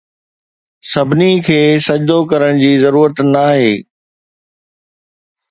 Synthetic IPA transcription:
sɐbʱɪnikʰeːsɐd͡ʑd̪okɐɾəɽ̃d͡ʑiːzɐɾuːɾət̪naːɦeː

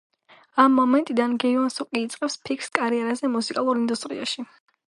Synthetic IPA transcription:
amːɔmɛnt̪ʼid̪anɡɛivansukʼiːt̪sʼqʼɛfspʰikʰskʼaɾiɛɾazɛmusikʼalˠuɾind̪ust̪ʼɾḭaʃi

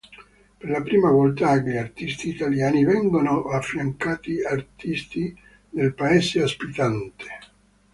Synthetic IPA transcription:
perlapɾiːmavɔlt̪akeʎart̪ist̪iːt̪aljaːnivɛŋɡonoʔafːɾjaŋkaːt̪iart̪ist̪i | d̪elpaɛːseaspit̪ant̪e̥

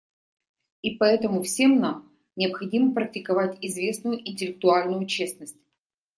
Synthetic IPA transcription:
ipɐɛt̪əmʊfsʲe̞mnam | nʲɪəpxɐdʲiməpɾək̚tʲɪkɐvatʲɪzvʲe̞snʊjʊʔɪnʲtʲɪlʲɪk̚t̪ʊalʲnʊjʊt͡ɕe̞snəsʲtʲ

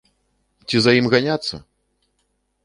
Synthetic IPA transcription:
t͡sʲizɐjimɣanʲat̪sːɐ̰

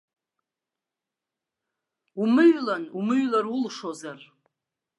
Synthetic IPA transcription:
umɨɥlanumɨɥlarulʂozar

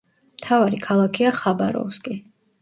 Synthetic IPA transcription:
mt̪ʰavaɾikʰalˠakʰiaχabaɾɔ̰fskʼi

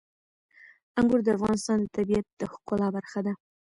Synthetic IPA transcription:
aŋɡʊɾd̪əafʁɑnɪst̪ɑnd̪ət̪abiat̪̚d̪̥əhʊ̥qolɑbaɾχad̪a

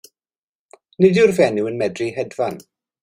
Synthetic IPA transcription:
nɪdɪrvɛnɪwənmɛdrihɛdvan

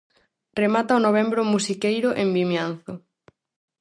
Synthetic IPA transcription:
remat̪aonoβ̞ɛmbɾomusikejɾʊʔembimjan̟θʊ

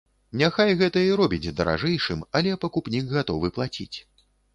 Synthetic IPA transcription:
nʲaxajɣɛt̪ɐiɾɔbʲid͡zʲd̪ɐɾʔa̰ʐɛjʂɨmɐlʲɛpɐkupnʲikɣat̪ɔvɨplˠat͡sʲḭt͡sʲ

